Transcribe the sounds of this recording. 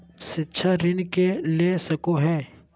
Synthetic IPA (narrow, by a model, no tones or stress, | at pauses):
ʃɪtːʃʰaɾɪnkelesɐkoɦɛː